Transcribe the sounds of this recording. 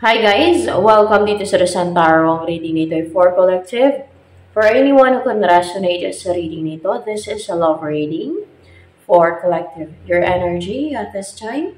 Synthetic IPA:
hajɡajswɛlkɐ̃md̪iːt̪osɐɾɐsant̪aɹoɐŋɾiːd̪ɪŋnɪt̪oɛfɔɹkɔlɛk̚t̪ɪv | fɔɹʔɛniwɐ̃nhukɔnɾasɔnejt̪ɐsɐɾiːd̪ɪŋnɪt̪oðɪsɪsɐlovɹejd̪ɪ̃ŋ | fɔɹkɔlɛk̚t̪ɪvjɔɹʔɛnɛɹd͡ʒiɐt̪ɛst͡ʃajn

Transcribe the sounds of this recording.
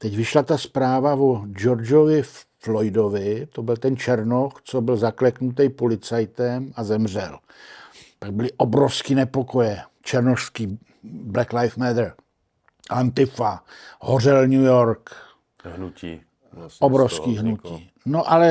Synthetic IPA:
t̪ɛcvɪʃlat̪aspɾaːvavod͡ʒoɾd͡ʒovɪfflojdovɪt̪o̞bɪlt̪ɛnt͡ʃɛɾnoxt͡sobɪlzaklɛknut̪̬ɛjpolɪt͡sajt̪ɛmazɛmr̝ɛl | paɡ̚bɪlɪʔobɾofskiːnɛpo̞ko̞jɛ | t͡ʃɛɾnoʃskiː | blɛklajfmɛd̪̩ | ʔant̪ɪfahorɛlɲujoɾk | ɦnui | obɾofskiːɦnucḭː | noʔalɛ

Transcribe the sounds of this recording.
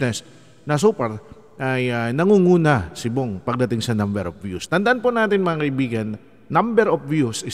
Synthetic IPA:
nɛs | nɐs̬uːpɛɹ | ʔɐjɐnɐŋuŋuːnɐsɪboŋpɐɡ̚d̪ɐt̪ɪŋsɐnɐmbɛɾʔɔfvjṵst̪ɐnd̪ɐʔanponaːt̪ɪnmɐŋakɐibiːɡɐnː | ɐmbɛɾofvjusɪ

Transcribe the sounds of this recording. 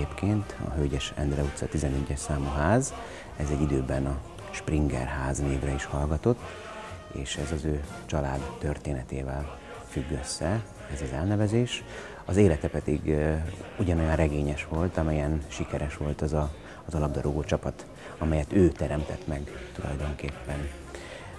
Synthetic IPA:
eːpkʰeːnt̪ɒ̰ɦøːɟɛʃɛ̰nd̪rɛut̪sɒt̪izɛnyɟːɛʃsaːmuɦaːz | ɛzɛɟːid̪øːbɛnɒ | ʃprʔiŋɡɛ̰rɦaːzneːvrɛiʃhɒlɡɒt̪o̞t̪ː | ḛːʃɛzɒzøː | t͡ʃɒlaːd̪ːørt̪eːnɛt̪ḛːvɛl | fyɡːøsːɛ | ɛzɒzɛlnɛvɛzeːʃ | ɒzeːlɛt̪ɛpɛd̪iɡ | uɟɒno̞jɒnrɛɡeːɲɛʃʋo̞lt̪ɒmɛjɛnʃikɛɾɛʃʋo̞lt̪ɒzɒː | zɒlɒɡ̚d̪ɒɾoɡoːt͡ʃɒpɒt̪ | ɒmɛjɛt̪øːt̪ɛɾɛmt̪ɛt̪mɛɡt̪ulɒ̰jd̪o̞ŋkeːpːɛn

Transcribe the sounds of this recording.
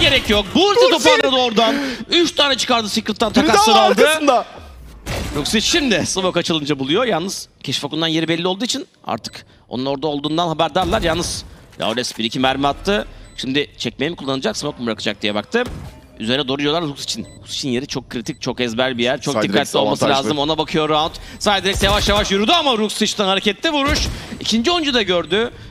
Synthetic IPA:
ɟe̞ɾɛcjok̚buit̪ʰo̞paɾad̪ɯo̞ɾd̪anyʃt̪ʰaːnɛt͡ʃʰɯ̥kaɾd̪ɯsikɾɯt̪ːant̪ʰaasɯɾalˠd̪ɯnd̪a | juksit͡ʃːind̪ɪsɯmokat͡ʃʰɯlˠɯnd͡ʒabulˠujojalˠnɯz̥cʰɛʃfokund̪anje̞ɾibɛlʲːiolˠd̪uːit͡ʃʰin | a̰ɾt̪ʰɯ̥k | o̰nuno̞ɾd̪aolˠd̪uːnd̪anɦabæɾd̪aɾlˠaɾjalˠnɯzja̰olʲɛsbiɾicʰimæɾmat̪ʰːɯʃimd̪ɪt͡ʃʰɛc̚mejimkʰulˠːanɯd͡ʒaksɯmokmbɾakʰɯd͡ʒak̚d̪ijɛbakt̪ʰɯ | y̰ze̞ɾinɛd̪o̞ːɾujolˠaɾɾuksi̥t͡ʃʰinuksi̥t͡ʃʰinje̞ɾit͡ʃʰo̞kʰːɾit̪ʰic̚t͡ʃʰo̞kɛzbælʲbijæɾt͡ʃʰok̪ikːat̪lʲio̞lˠmaslʲaːzɯmo̞nabakʰɯjo̞ɾaot̪sad̪iɾɛc̚t̪javaʃjavaʃjyɾyd̪yamaɾuksit͡ʃt̪anhaɾecʲɛt̪ʰːɛvuɾuʃicʰind͡ʒio̞nd͡ʒud̪aɟøɾd̪y

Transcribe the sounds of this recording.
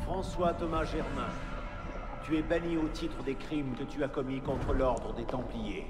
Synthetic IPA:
fχɑ̃swat̪ɔmaʒɛʁmɛ̃ | t̪yɛbaniot̪it̪χəd̪ekχimkət̪yakɔmikɔ̃t̪χəlɔʁd̪ʁəd̪et̪ɑ̃plije

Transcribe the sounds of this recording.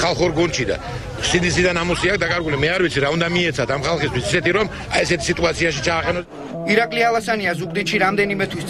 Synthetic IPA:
χalˠχɔɾɡunʃid̪a̰ | sid̪isid̪anamɔsiak̚d̪akʼaɾɡulimɛaɾvit̪sʰiɾaund̪amiɛt̪sʰat̪ʰamχalˠχist̪ʰwisisɛt̪iɾɔm | aɛsɛt̪ʰi̥sit̪ʼuat̪sʰiaʃit͡ʃʰaːqʼɛnɔ | iɾakʼlialˠasaniazukʼd̪it̪ʃiɾamd̪ɛnimɛt̪ʰwis

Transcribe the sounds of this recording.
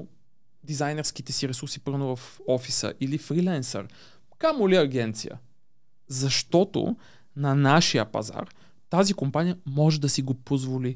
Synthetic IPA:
d̪izajnɛɾsk̟it̪ɛsiɾɛsuɾsipɤvnovɐfɔfisə̰ʔilifɾilɛnsə̰ɾ | kamʊliɐɡʲɛnt̪sḭjə̰ | zɐʃt̪ɔt̪o̰ | nɐnaʃiəpɐ̰za̰r | t̪azikompanijəmɔʒɛd̪ɐsiɡopozvoli

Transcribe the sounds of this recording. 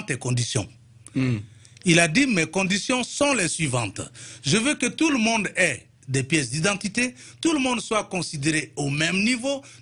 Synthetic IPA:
t̪ɛkɔ̃d̪isjɔ̰̃ | ilad̪imɛkɔ̃d̪isjɔ̃sɔ̃lɛsɥivɑ̃t̪ʒəvøkət̪uləmɔ̃d̪ɛ | d̪ɛpjɛsd̪id̪ɑ̃t̪it̪et̪uləmɔ̃nd̪swakɔ̃sid̪eʁeomɛ̃mnivo

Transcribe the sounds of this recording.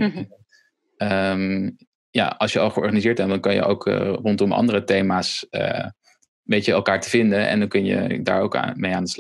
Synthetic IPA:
əm | ja̰ɑlˠʃjəɑlˠχəɔ̰ɹχanizɪːɹt̚bɛndɑnkɑnjə̰ʔo̰wkʰːrɔntɔmɑ̰ndərətejmaːsə̰ | ʋejəɛlˠkaːɹtəv̥ɪndəʔɛ̰ndɑnkɵnjə̰da̰ːɹowkːmejaːndəsl

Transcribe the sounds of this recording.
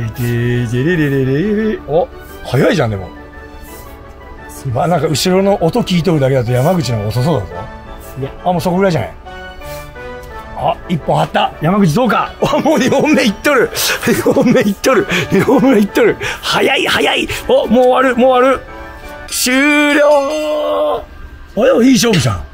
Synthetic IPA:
t̪et̪eɾeɾeɾeɾeeɾea | hajaiʑãnd̪e̞mo̞̰ | βanãŋkaɯ̟ɕiɾo̞no̞ʔot̪o̞kʲiːt̪̬o̞ɾɯ̟d̪ak̬e̞d̪at̪ojamaɡɯ̟t͡ɕinãŋkaos̬os̬oːd̪azo̰ | amoːso̞koɡɯ̟ɾaiʑana̰i | aipːõhat̪ːajamaɡɯ̟t͡ɕ̬id̪o̞ːkaamoːɲihõmːeit̪ːo̞ɾɯ̟ɲihõmːe̞it̪ːoɾɯ̟ɲihõmːeit̪ːo̞ɾɯ̟hajaihajaiomoːβaɾɯmoːβaɾɯ̟ | ɕɨːɾʲoː | ojoiːɕ̬o̞ːbɯ̟sã̰

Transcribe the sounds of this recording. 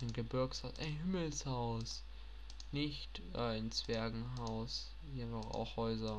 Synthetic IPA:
ʔaɪnɡəbɪɐkshaʊsʔaɪnɦɪml̩shaʊs | nɪçt | ʔaɪnt͡sv̥ɛɐɡŋ̩ɦaʊs | jenfɔχa̰ʊxhɔʏzɐ

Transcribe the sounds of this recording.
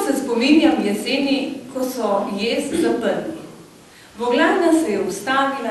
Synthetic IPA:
sɛspɔminjamjɛseːnikɔsɔjeːszapəɾni | bɔɡlaːɾnasɛjɛust̪aːʋila

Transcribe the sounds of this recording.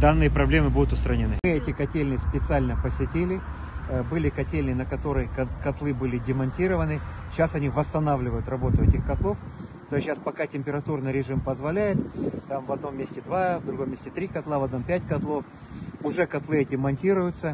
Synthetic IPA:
d̪anːɨjəpɾɐblʲemɨbud̪ʊt̪ʊst̪ɾənʲɪnɨɨɛtʲɪkɐtʲelʲnɨspʲɪt̪sɨalʲnəpəsʲɪtʲelʲɪ | bɨlʲɪkɐtʲelʲnɨnəkɐt̪o̞ɾɨjkɐt̪lˠɨbɨlʲɪdʲɪmɐnʲtʲiɾəvənɨɕasɐnʲivəst̪ɐnavlʲɪvəjʊt̪ɾɐbo̞t̪ʊɛtʲɪxkɐt̪lˠo̞ft̪oɕːaspɐkatʲɪmʲpʲɪɾɐt̪urnɨjɾʲɪʐɨmpəzvɐlʲæjɪt̪t̪amvɐd̪no̞mːʲesʲtʲɪd̪vavd̪ɾʊɡo̞mʲːesʲtʲɪt̪ɾʲikɐt̪lˠavɐd̪no̞mpʲætʲkɐt̪lˠo̞f | ʊʐɛkɐt̪lˠɨɛtʲɪmɐnʲtʲiɾʊjʊt̪sə

